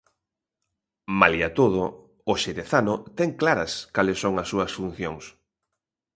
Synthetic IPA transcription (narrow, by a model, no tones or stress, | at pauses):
maljat̪oð̞ʊː | ʃeɾeθanʊt̪ɛŋklaɾɐskalesːoŋɐsːuɐsfun̟θjoŋs